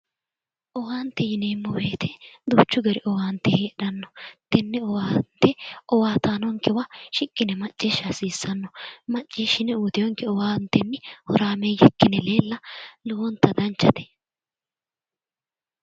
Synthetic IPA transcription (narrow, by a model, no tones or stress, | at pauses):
ʔɔwaːnt̪ːɛjɪneːmːɔweːt̪ɛd̪uːt͡ʃːʊɡɐɾɪʔɔwaːnt̪ːɛheːᶑɐnːɔt̪ɛnːɛɔwaːnt̪ɛɔwaːt̪aːnɔŋkɛwaʃɪkʼːɪnɛmɐt͡ʃʼːeːʃasiːsːɐnːɔmɐt͡ʃʼːeːʃːɪnɛuːd̪ɪjɔŋkɛɔwaːnt̪ːɛmːɪhɔɾaːmɛjɛkːɪnɛle̞ːlːɐlɔwɔnt̪ːɐd̪ɐnt͡ʃːɐt̪ɛ̥